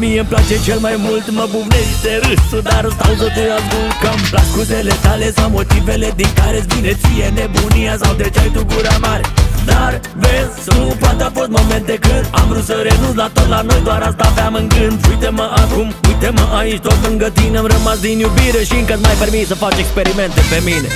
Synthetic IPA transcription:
mijəmplat͡ʃet͡ʃʰelmajmult̪mɐbuʋnesit̪eɾɨsud̪aɾst̪alt̪ot̪ujazɡukɐmplakʰut̪elet̪ʰalesmamot̪ifeled̪ik̪aɾesbinet͡sijeneboniasawd̪et͡ʃajt̪uɡuɾamaɾd̪aɾ | ʋes | t̪upat̪apot̪momẽnt̪ekʰɨɾa̰mɾusəɾenud̪at̪olanojd̪waɾast̪apaməŋɡɨnujt̪eməʔakumujt̪eməʔaĩʃt̪ot̪məŋɡət̪inɐmɾəmasd̪injubiɾeʃiŋkət̪majpəɾmisəfat͡ʃekspeɾiment̪epemine

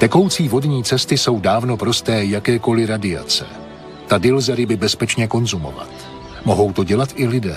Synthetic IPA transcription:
t̪ɛko̞wt͡siːvo̞dɲiːt͡sɛst̪ɪso̞wdaːvno̞pɾo̞st̪ɛːjakɛːko̞lɪɾadɪa̰t͡sɛ̰ | t̪adɪlzɛɾɪbɪbɛspɛt͡ʃɲɛko̞nzumo̞̰va̰t̪ | mo̞ɦo̞wt̪o̞ɟɛlat̪ʔɪlɪdɛ̰ː

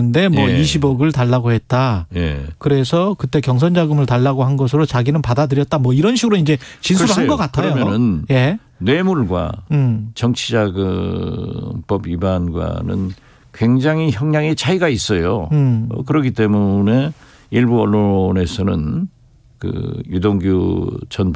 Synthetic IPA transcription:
ɯnde̞mwʌiɕʰibʌɡɯɭtaɭːaɡohe̞t̚t͈ajekɯɾe̞sʰʌkɯt͈e̞kjʌŋs̬ʰʌnd͡ʑaɡɯmɯɭtaɭːaɡoɦanɡʌs̬ʰɯɾot͡ɕaɡinɯnpadadɯɾjʌt̚t͈amwʌiɾʌnɕʰiɡɯɾoind͡ʑe̞t͡ɕinsuɾɦanɡʌk͈atʰajomjnɯnje̞ː | we̞muɭɡwa̰t͡ɕʌŋt͡ɕʰid͡ʑaɡɯ | mp͈ʌbibanɡwa̰nɯ̰n | kwe̞ŋd͡ʑaŋiçjʌŋɲaŋet͡ɕaiɡais͈ʌjo̰ | kɯɾʌɡit͈e̞mune̞ | iɭbuʌɭːone̞sʰʌnɯ̰n | kɯ̰judoŋɡjut͡ɕʌn

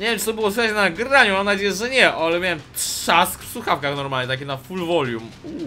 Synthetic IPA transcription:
ɲevjɛmt͡ʂɨt̪ɔbɨwɔsfʲaat͡ɕɛnaɡɾaɲumamnad͡ʑejɛʐɛɲɛʔalɛmʲjawɛmtʂaskfsuxafkaxnɔɾmalɲɛt̪ak̬ʲɛnafulvɔlʲjumu

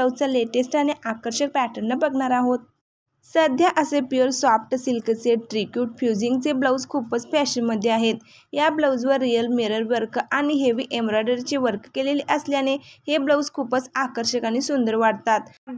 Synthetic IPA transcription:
əwt͡saleʈesʈaɽ̃iʔakəɾɕək̚pæʈəɾnəbəɡɳaɾaɦot̪̚ | səd̪ʱjaʔəsepiəɾsɔfʈəsilkət͡seɖʈɾikjuːʈ̚fjud͡ʑiŋɡt͡sebləwd͡zkʰupət͡sfæɕənməd̪ʱːjeaɦet̪ | jabləwd͡zʋəɾːijəlmeɾəɾʋəɾkʔaɽ̃iɦeʋiːʔemɾɔjɖəɾt͡ɕeʋəɾkkeleliʔəsljanehebləwd͡zkʰupət͡sakəɾɕəkañisund̪əɾʋaɽt̪at̪

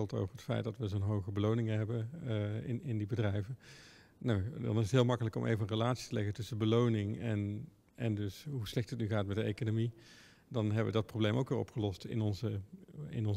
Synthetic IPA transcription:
ɪlˠto̰wvəɹətfɛ̰jtdɑtʋəzonɦowɣəbəlownɪŋəɦɛbənɪnɪndibədrɛjvən | nawdɑ̰nɪzətɦɪːlˠmɑkələkɔmʔḛjvəənrəlaːtsi̥təlɛɣətʏsəbəlownɪŋɛn | ʔɛndɵsɦuslɛχtətnyɣaːtmɛtdəejkonomi | dɑnɦɛbəʋədɑt̚problejmo̰ʊwkʋɪːɹɔ̰pχəlɔstɪ̰nɔnzəɪ̰nɔn

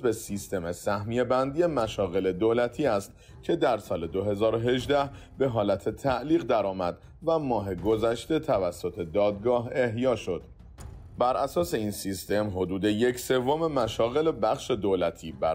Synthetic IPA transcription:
be̞sist̪e̞mesæhmije̞bænd̪ije̞mæʃɒːɣe̞le̞d̪olæt̪ʰiːæst̪̚ | cʰe̞d̪æɾsɒːle̞d̪o̞ɦe̞zɒːɾoɦe̞ʒd̪æh | be̞ɦɒːlæt̪ʰe̞t̪ʰæʔliːɣd̪æɾɒːmæd̪̥ | væmɒːɦe̞ɡo̞zæʃt̪e̞t̪ʰævæsːo̞t̪ʰe̞d̪ɒːd̪̚ɡɒːɦe̞ɦjɒːʃo̞d̪̥ | bæɾʔæsɒːse̞iːnsist̪e̞mɦo̞d̪uːd̪e̞jecʰse̞vːome̞mæʃɒːɣe̞le̞bæxʃe̞d̪oːlæt̪ʰiːbæ

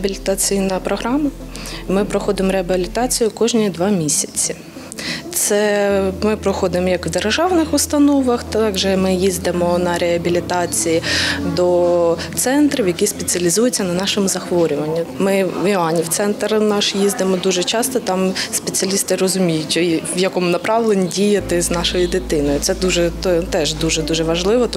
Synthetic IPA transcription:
ɐbʲilʲɪt̪ɐt͡sʲijnɐpɾɔɦɾɑmɐ | mɪpɾɔxɔd̪ɪmɔɾeɐbʲilʲɪt̪ɑt͡sʲijʊkɔʒnʲid̪ʋɑmʲisʲɐ̥t͡sʲːi | t̪sɛmɪpɾɔxɔd̪ɪmɔjɐkʋd̪erʒɑwnɪxʊst̪ɐnɔʋɐxt̪ɑɡʒɛmɪjizʲd̪ɪmɔnɐɾeɦɐbʲilʲɪt̪ɑt͡sʲijid̪ɔt̪sɛnt̪ɾʲɪwjɐkispet͡sʲiɐlʲizujet͡sʲːɐnɐnɑʃemʊzɐxʋɔɾʲʊʋɐnʲːʊmɪʋɪɑnʲiwt̪sɛnt̪rnɑʃjizd̪ɪmɔd̪uʒɛt͡ʃɑst̪ɔt̪ɑmspet͡sʲɪɐlʲist̪ɪɾɔzʊmʲijʊtʲʋjɐkɔmʊnɐpɾɑʋlˠenʲidʲijɐt̪ɪznɑʃɔjid̪ɪt̪ɪnɔjʊt̪sɛd̪uʒɛt̪ɔt̪ɛʒd̪uʒɛd̪uʒɛʋɐʒlˠɪʋɔ

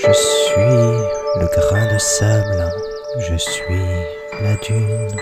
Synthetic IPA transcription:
ʒəsɥiləɡʁɑ̃d̪esɛm | ʒəsɥi | lad̪yn

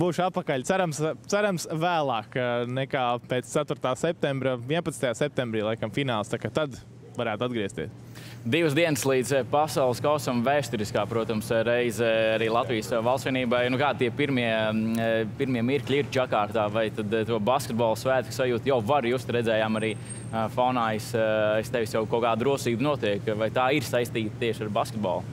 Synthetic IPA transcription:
buːʃat̪̚pakaʎʲt̪sæɾamst̪sæɾamsvæːlˠɑːkːnɛkaːpeːt̪st̪æt̪uɾt̪aːsɛp̚t̪ɛmbɾavʲiɛnpɐt̪nt̪ajaːsɛp̚t̪embɾiːlˠajkamfinaːlˠst̪akat̪ad̪ | vaɾæːt̪ad̪̚ɡɾiɛst̪ḭs | d̪iʋəsd̪iɛnəslˠiːd̪zpasawlˠskaʊsamvæːst̪uɾiskaːpɾuɔt̪amsɾɛjzaɾiːlˠat̪ʋijsvalˠsʋiɛniːbajnukaːd̪̚t̪iɛpiɾmiɛ | piɾmiɛmiɾkʎʲiɾt͡ʃakaːɾt̪aːvajt̪ad̪t̪uɔbaskʲet̪̚bɔːlˠsʋæːt̪ksajuːt̪jawvaɾjuːst̪ɾɛd̪zɛːjaːmaɾiː | fawnaːjsist̪ɛʋɪsjawkɔːkaːd̪d̪ɾuɔsiːbnuɔt̪iɛkvajt̪aːiɾsajst̪iːt̪t̪iɛʃaɾbaskʲet̪̚bɔ̰ːlˠ

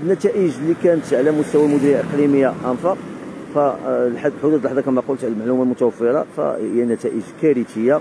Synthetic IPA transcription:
ənːæt̪æʔəʒlikænət̪ʕlæmʊst̪æwæmʊd̪ɾijaʔəqliməjːaʔæmfɑfælħad̪lħʊd̪ud̪lħd̪ˤɑkæmæqult̪ʕləlmaʕlumælmʊt̪æwəfːəɾˤɑ̰fæ̰əjːænæt̪æʔəʒkæɾit̪əjːa

